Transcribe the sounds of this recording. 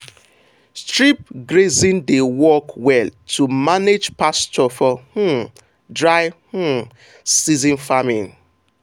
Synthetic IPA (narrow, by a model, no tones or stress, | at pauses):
stɹip̚ɡɾezĩndewɔkwɛltʰumaned͡ʒpast͡ʃɔfɔhu | dɹaɪhu | sizĩnfamin